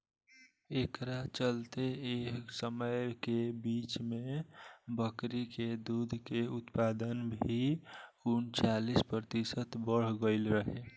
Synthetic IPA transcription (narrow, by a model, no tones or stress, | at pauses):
ekɾat͡ʃəlt̪eesəməjkebiːt͡ʃmẽbəkɾiked̪ud̪ʱkeʊt̪pad̪ənbʱiunt͡ʃalispɾət̪isət̪bəɽ̤ɡəɪlɾəɦe